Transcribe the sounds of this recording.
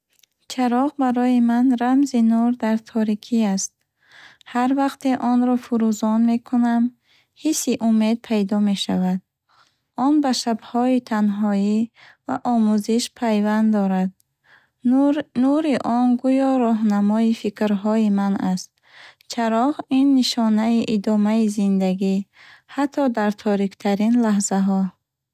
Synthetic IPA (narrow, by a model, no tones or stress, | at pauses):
t͡ʃʰaɾɔʁbaɾɔjimanɾamzinuɾd̪aɾt̪ʰɔɾikʰiast̪̚ | haɾvaqt̪ʰeʔɔnɾɔfuɾuzɔnme̞kʰunam | hisːiʔume̞d̪̚pʰajd̪ɔme̞ʃavad̪̚ | ɔnbaʃabhɔit̪ʰanɦɔi | va̰ʔɔmuziʃpʰajvand̪d̪ɔɾad̪̚ | nuɾiʔɔnɡujɔɾɔɦnamɔifikɾɦɔimanast̪̚ | t͡ʃʰaɾɔʁinːiʃɔnaiʔid̪ɔmaizind̪aɡihat̪ʰːɔd̪aɾt̪ʰɔɾikt̪ʰaɾinlaɦzaɦɔ